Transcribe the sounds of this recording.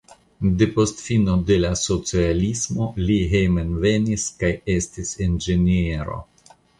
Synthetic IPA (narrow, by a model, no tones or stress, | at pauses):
de̞po̞stfino̞de̞laso̞t͡sialismo̞liɦejmenve̞niskaje̞stisend͡ʒenieɾo̞̰